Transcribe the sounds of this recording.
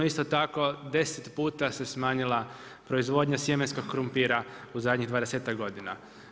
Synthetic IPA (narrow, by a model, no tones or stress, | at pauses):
oist̪ot̪ako̞d̪e̞set̪puːt̪ase̞smaːɲilˠa | pɾo̞izʋo̞d̪ɲasjemensko̞ɡ̚koɾumpiːɾauzad̪ɲiɣd̪ʋaːd̪eseːt̪akɡo̞d̪ina̰